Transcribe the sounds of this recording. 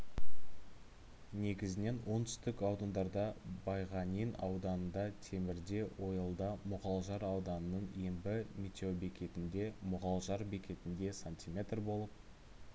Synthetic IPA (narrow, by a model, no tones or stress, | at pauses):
ne̞ɡʲɪzɪne̞nwo̞nt̪ʰʏ̥st̪ɪkɑwd̪ɑnd̪ɑɾd̪ɑbɑjʁɑnijnɑ̰wd̪ɑnənd̪ɑt̪ʰe̞mɪɾd̪e̞wʔo̞jəlˠd̪ɑmʊʁɑlˠʒɑɾɑwd̪ɑnənəɴembɪmʲit̪ʲeobe̞kʲe̞t̪ɪnd̪e̞mʊʁɑlˠʒɑɾbe̞kʲe̞t̪ɪnd̪e̞sanʲt̪ʲimʲe̞t̪rbo̞lˠəp̚